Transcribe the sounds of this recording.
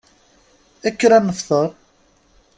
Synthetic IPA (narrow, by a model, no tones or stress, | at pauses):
ækːɾænːəfθəɾˤ